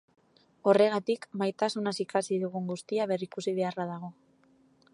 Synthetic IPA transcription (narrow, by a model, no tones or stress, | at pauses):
o̞re̞ɣ̞at̪ikmajt̪asunasikasiðuɣ̞uŋɡust̪iaβ̞e̞rikusiβ̞e̞araðaɣ̞o̞